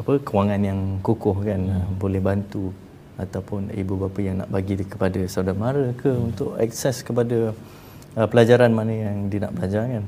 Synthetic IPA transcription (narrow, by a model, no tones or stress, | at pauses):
apəkəwaŋanjaŋkukʊhkanəmbolɛhbant̪u | at̪awpʊnḭbubapajaŋna̰ʔbaɡidkə̥padasaudanmaɾəkəunt̪ʊʔɛ̰k̚sɛskəp̬adə | əpəlad͡ʒaɾanmanəjaŋdina̰ʔbəlad͡ʒarkan